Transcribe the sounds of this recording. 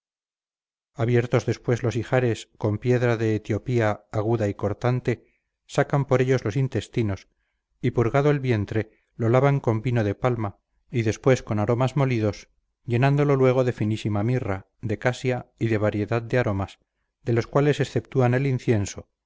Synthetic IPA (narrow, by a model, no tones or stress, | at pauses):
aβje̞ɾt̪o̞zðe̞spwe̞zlo̞sixaɾe̞sko̞mpje̞ðɾaðe̞ːt̪jo̞piaːɣ̞uðaiko̞ɾt̪ant̪e̞ | sakampo̞ɾe̞ʎozlosint̪e̞st̪ino̞s | ipuɾɣað̞o̞elβje̞nt̪ɾe̞ | lo̞laβaŋko̞mbino̞ðe̞palma | iðe̞spwe̞sko̞naɾo̞mazmo̞liðo̞s | ʝe̞nãnd̪o̞lo̞lwe̞ɣ̞o̞ðe̞finisimamira | ðe̞kasjaiðe̞β̞aɾje̞ðað̚d̪eaɾo̞mas | d̪e̞lo̞skwale̞se̞sθe̞p̚t̪uane̞linθje̞nso̞